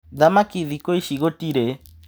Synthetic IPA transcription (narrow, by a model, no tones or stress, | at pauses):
ðamakiðikoiʃiɣotiɾe